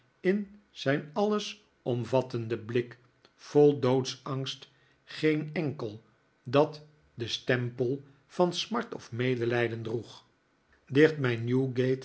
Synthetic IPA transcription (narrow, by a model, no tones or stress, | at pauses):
ɪn | z̥ɛjnɑlˠəs | ɔmvɑtəndəblɪk | fɔlˠdowtsɑŋst | χejnɛŋkəlˠ | dɑt | dəstɛmpəlˠ | vɑnsmɑɹtɔfmejdəlɛjdəndruχ | dɪχtmɛjnjuɡejt